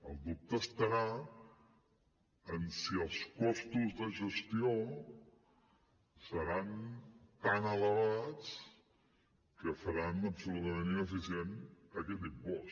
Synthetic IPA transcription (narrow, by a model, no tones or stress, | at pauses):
əlˠd̪up̚t̪əːst̪əɾa | ənsiəlˠskɔst̪uzðəʒəst̪io | səɾant̪anələβat͡s | kəfəɾanəbsuɾuðənəniəːfisienəkɛt̪impɔs